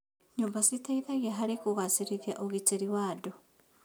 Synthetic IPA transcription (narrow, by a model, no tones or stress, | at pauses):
ɲombasitaiðaɣiaɦaɾekuɣasiɾiðiaʔoɣit͡ʃeɾiwaːdo